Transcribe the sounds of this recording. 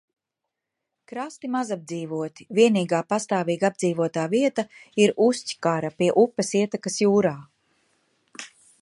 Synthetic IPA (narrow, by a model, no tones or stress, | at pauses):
kɾast̪imazab̚d̪ziːvuɔt̪i̥viɛniːɡaːpast̪aːviːɡabd̪ziːvuɔt̪aːviɛt̪aiɾusʲci̥kaɾapiɛʔupːɛsiɛt̪akasjuːɾaː